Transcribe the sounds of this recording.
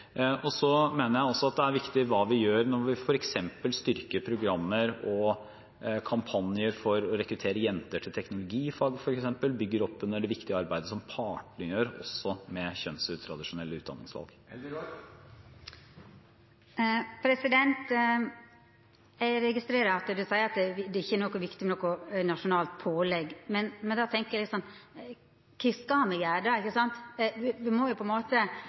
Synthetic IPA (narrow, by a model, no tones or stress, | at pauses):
ʔɔsɔmeːnəɾjæɪɔsɔɑt̪̚d̪ɛæɾʋɪkt̪ɪʋɑːʋɪjøːɾnɔɾʋɪfɔɾɛksɛmpəlst̪ʏɾkəpʰɾʊɡɾɑmːəɾɔ | kʰɑmpʰɑnjəɾfɔɾɔɾɛkɾʉt̪ʰeːɾəjɛnt̪əʈʰɪlt̪ʰɛknʊlʊɡiːfɑːɡəfɔɾɛksɛmpəlbʏɡːəɾɔpːɛnːəɖɛʋɪkt̪ɪəɑɾbæɪd̪əsɔmpʰɑːʈɳɪjøːɾɔ̰sːɔmɛçœnsʉt̪ʰɾɑd̪ɪʂʊnɛlːəʉːd̪ɑ̰nɪ̰ŋsʋɑ̰lˠɡ | pʰɾɛsɪd̪ɛnt̪ | æɾɛɡɪst̪ɾeːɾɑɑt̪d̪ɛd̪ʉsæɪəɾɑt̪̚d̪d̪ɛɪçːənɔkːɔʋɪkt̪ɪmɛnɔkːʊnɑʂʊnɑːlt̪̚pʰoːlɛɡmɛnmɛnd̪ɑt̪ʰɛŋkəjælɪt̪sɔnː | kʰɛskɑmɛjæːɖɑɪkːəsɑnt̪ʋɪʋɪmɔjʊpʰɔɛnmoːt̪ə